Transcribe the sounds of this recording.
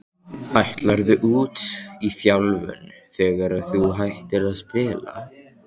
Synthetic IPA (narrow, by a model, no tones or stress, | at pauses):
ajht̪laɾðʏʔuːt̪iθjawlvʏ̰nθɛːɣaɾaðθuɦajht̪ɪɾaðspɪːla̰